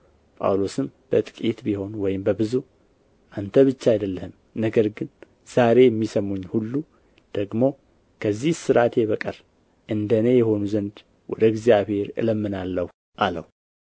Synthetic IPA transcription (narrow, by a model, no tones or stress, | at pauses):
pʼa̰wlosɨmb̥ət̪ʼɨkʼit̪biho̞nwɔjɪmbəbɨzu | ʔant̪ʰəβɨt͡ʃːaajd̪əlːəhɨm | nəɡəɾɡɨn | z̥aɾe̞jɛmːisəmuɲːhulːu | d̪̥əɡmo̞ | kʰəzːihsɨɾat̪jɛβəkʼər | ʔɨnd̪ənejɛho̞nuzənd̪ | wɔ̰d̪əɨɡzijaβhe̞ɾɨ̰ləmːɨnalːəhu | ʔalə̰hu